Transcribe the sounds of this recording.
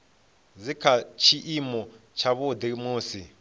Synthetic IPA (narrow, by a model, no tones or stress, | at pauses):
d͡zikʰat͡ʃʰiʔimɔ | t͡ʃʰaβʊd̪imuːsi